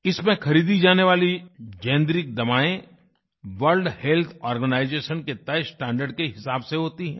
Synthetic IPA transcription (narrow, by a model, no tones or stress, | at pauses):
ɪsmẽxɐɾiːd̪id͡ʒaːneʋaːlid͡ʒɛ̃ːnd̪ɾɪk̚d̪ɐmaːẽ | ʋəɾlɖhelt̪ʰɔːɾɡənaːɪzeːʃənket̪ɐsʈɛ̃ːɳɖəɖ̚keɦɪsaːbseɦoːt̪iɦɛ̃ː